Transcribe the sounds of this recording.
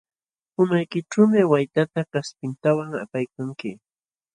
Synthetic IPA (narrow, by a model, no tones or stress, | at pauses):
ʊmajkɪʈ͡ʂuːmɪwajt̪at̪akaspɪnt̪awaŋa̰pajkaŋkɪ